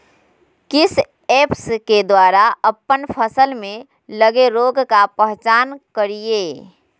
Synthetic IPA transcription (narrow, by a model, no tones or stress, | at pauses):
kɪs | eːpsked̪waːɾaəpːənpʰəsəlmẽ | ləɡeɾoːɡkapəɦt͡ʃaːnkəɾieː